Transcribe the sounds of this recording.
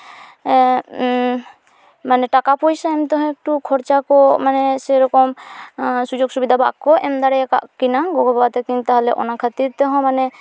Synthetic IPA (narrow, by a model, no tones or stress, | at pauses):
manɛʈakapɔjsaɛmt̪ɔɦɔ̃ɛk̚ʈukʰɔɾt͡ʃakɔmanɛsɛɾɔkɔm | sud͡ʒoɡsubid̪ʱaba̰ʔkɔɛmd̪aɾɛjaka̰ʔkinaɡɔɡɔbat̪ɛkint̪aɦalɛʔɔ̰nakʰat̪iɾt̪ɛɦɔ̃manɛ